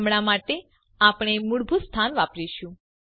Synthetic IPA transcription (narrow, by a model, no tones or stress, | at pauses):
mɽ̃amaʈe | apɽ̃emuɽbʱust̪ʰanʋapɾiʃũ